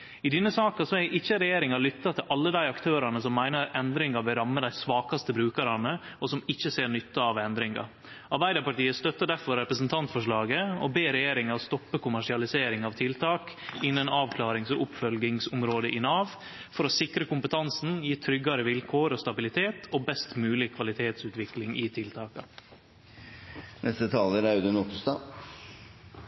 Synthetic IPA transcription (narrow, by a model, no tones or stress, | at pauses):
ɪd̪ɛnːəsɑːkɑsɔæʔɪçəɾɛjeːɾɪŋɑlʏt̪ːɑt̪ʰɪlʔɑlːəd̪æɪɑkt̪ʰøːɾɑnəsɔmːæɪnəɾɛnd̪ɾɪŋɑbɪɾɑmːəd̪æɪsʋɑːkɑst̪əbɾʉːkəɾɑnəɔsɔmɪçːəseːɾɳʏt̪ːɑɑʋɛnd̪ɾɪŋɑ̰ | ɑɾbæɪd̪əpɑʈiːəst̪œt̪ːəɖ̪æɾfɔɾːɛpɾəsənt̪ʰɑnt̪fɔʂɭɑːɡəɔbeːɾɛjeːɾɪŋɑɔst̪ɔpːəkʰʊmæʂɪɑlɪseːɾɪŋɑʋt̪ʰɪlt̪ʰɑːkɪnːənɑːʋkʰlɑːɾɪŋsɔʔʊpfœlɡɪŋsʊmɾoːd̪əʔɪnɑːʋ | fɔɾɔsɪkɾəkʊmpət̪ʰɑnsn̩jiːt̪ʰɾʏɡːɑɾəʋɪlkʰoːɾoːst̪ɑbɪlɪt̪ʰeːt̪ʰoːbɛst̪mʉːlɪkʰʋɑlɪt̪ʰeːt̪sʉːt̪ʋɪklɪŋʔɪt̪ʰɪlt̪ʰɑːkɑ̰ | nʔɛst̪ət̪ʰɑːləɾɑʉd̪ənʊt̪st̪ɑ